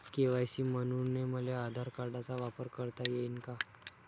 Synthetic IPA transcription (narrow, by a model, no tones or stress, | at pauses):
keʋajɕiːmənuneməlead̪ʱaɾkaɾɖat͡saʋapəɾkəɾt̪ajeinka